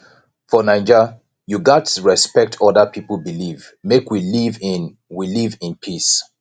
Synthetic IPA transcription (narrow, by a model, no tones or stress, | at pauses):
fɔnãɪ̃nd͡ʒə | juɡatɹɛspɛk̚tʰɔdəpʰipəl̩ˠbiliv | mekwilivin | wilivɪ̃npʰis